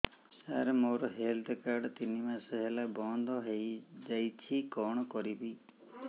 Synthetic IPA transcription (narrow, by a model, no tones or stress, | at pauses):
saɾmoɾɔɦelʈekaɾɖt̪inimasɔɦelabɔnd̪ʱɔɦejd͡ʒajt͡ʃʰikɔɽ̃ɔkɔɾibi